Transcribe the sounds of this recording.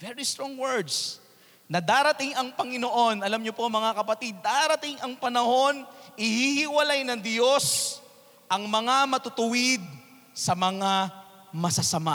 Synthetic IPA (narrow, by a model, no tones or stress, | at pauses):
vɛɹist̪ɾoŋwɛɹd̪s | nɐd̪aːɾɐt̪iŋɐŋpɐŋɪno̞ʔo̞nʔɐlamɲopo̞mɐŋakɐpɐt̪id̪̚ːaːɾɐt̪iŋʔɐŋpɐnɐho̞nʔɪhihɪwɐlajnɐŋd̪jo̞s | ʔɐŋmɐŋamɐt̪ʊt̪ʊwɪd̪̚ | sɐmɐŋa | mɐsɐsɐma